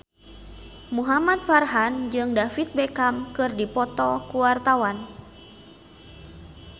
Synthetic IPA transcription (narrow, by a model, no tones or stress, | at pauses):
muɦamat̪̚farɦand͡ʒɨŋdafit̪̚bɛkamkɨrdipɔt̪ɔkuwart̪awan